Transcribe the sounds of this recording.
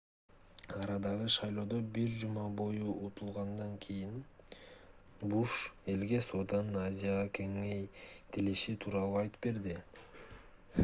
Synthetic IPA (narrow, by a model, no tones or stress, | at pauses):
ɑɾɑd̪ɑʁɯʃɑjlˠo̞ːd̪o̞biɾd͡ʒumɑbo̞juʔut̪ʰulˠʁɑnd̪ɑŋkʰijin | buʃe̞lɡe̞soːd̪ɑnɯnazʲɪjaʁɑkʰe̞ŋe̞jt̪ʰiliʃit̪ʰuːɾɑlˠuɑjt̪ɯ̥pbe̞ɾd̪i